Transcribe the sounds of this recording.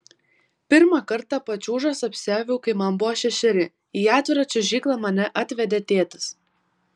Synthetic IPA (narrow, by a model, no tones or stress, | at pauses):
pʲɪɾmɑkɐɾt̪ɑpɐt͡ʃʲuːʒɐsɐpʲsʲæːʋʲuʊkɐɪmɐnbʊʋoːʃʲɛʃʲɛɾʲɪ | iːɑːt̪ʲʋʲɪɾɑt͡ʃʲɛʒʲiːklˠɑmɐnʲɛʔɑt̪ʲʋʲɛd̪ʲɛt̪ʲeːt̪ɐ̥s